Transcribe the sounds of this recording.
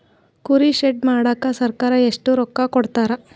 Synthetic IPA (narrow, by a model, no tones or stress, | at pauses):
kuɾiʃeɖ̚maːɽaːkːasɐɾkaːɾɐeʂʈuɾɔkːakɔɽt̪aːɾɐ